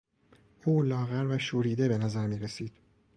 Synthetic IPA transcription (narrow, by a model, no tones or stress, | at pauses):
uːlɒːɣæɾvæʃuːɾiːd̪e̞be̞næzæɾmiːɾesiːd̪̥